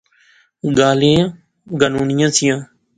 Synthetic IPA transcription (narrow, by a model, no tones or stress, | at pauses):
ɡaːlẽː | ɡanuːnɪjãːsɪjãː